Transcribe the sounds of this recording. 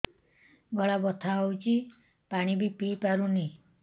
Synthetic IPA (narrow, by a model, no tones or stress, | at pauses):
ɡɔɭabɔt̪ʰaɦɔwt͡ʃʰi | paɽ̃ibipipaɾuni